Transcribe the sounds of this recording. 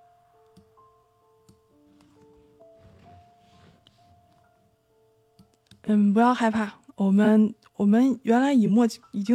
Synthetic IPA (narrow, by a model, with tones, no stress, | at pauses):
n̩˥˩p̬u˧˥jɑ˥˧ʊxa˥˧ɪpʰa˥˩wɔ˨˩mə˦˥n | wɔ˨˩mə˦nɥɛ˧˥nla˧˥ɪi˨˩mwɔ˥˩i˨˩t͡ɕi˥˧